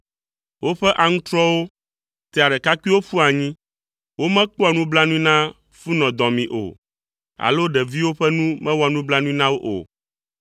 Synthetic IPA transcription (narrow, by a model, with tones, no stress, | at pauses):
wo˦ɸɛ˦ʔa˨ŋũ˦t̪ɾɔ˦wo˦ | t̪ɛ˨a˨ɖɛ˨ka˦kʷi˦wo˦ɸu˦a˨ɲĩ˦ | wo˦mɛ̃˦k͡pɔ˦a˨nũ˦bla˦nũ˦i˦nã˦ | fu˦nɔ̃˨d̪ɔ̃˨mĩ˨ʔo̰˨ | a̰˨lo˦ɖɛ˨vi˦wo˦ɸɛ˦nũ˦mɛ̃˦wɔ˦˨nũ˦bla˦nũ˦i˦nã˦wo˦ʔo̰˨